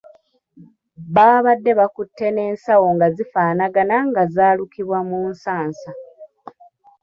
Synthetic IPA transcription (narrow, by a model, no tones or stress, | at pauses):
βaːβadːe̞βakutːe̞ne̞ːnsawo̞ŋɡazifaːnaɡanaŋɡazaːlukiβwamuːnsaːnsa